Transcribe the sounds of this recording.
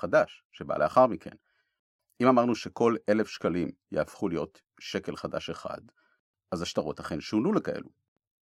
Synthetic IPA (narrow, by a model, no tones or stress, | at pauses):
χadaʃːe̞ba̰leaχaʁmikʰe̞̰n | imamaʁnuʃe̞ko̞le̞lefʃkalimjeafχulijo̞t̪ | ʃe̞ke̞lχadaʃeχa̰d | azaʃtaʁo̞thaχenʃunulekaʔe̞̰lu